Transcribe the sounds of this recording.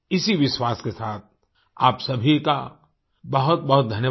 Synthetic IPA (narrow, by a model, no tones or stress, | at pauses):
ɪsiʋɪʃwaːskesaːt̪̚ʰ | aːpsɐbʱika | bɐɦʊt̪̚bɐɦʊt̪̚d̪ʱɐnjə